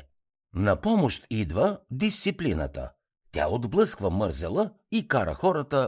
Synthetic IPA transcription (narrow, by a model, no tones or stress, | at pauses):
nɐpɔmoʃt̪id̪vəd̪ist̪siplinə̰t̪ə̰ | t̪ʲa̰od̪blˠɤskvəmɤɾzɛlˠə | ikaɾə̰xɔɾət̪ə